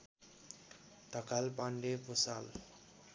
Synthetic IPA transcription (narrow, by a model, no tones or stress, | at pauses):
t̪ʌkalpaɳɖepusal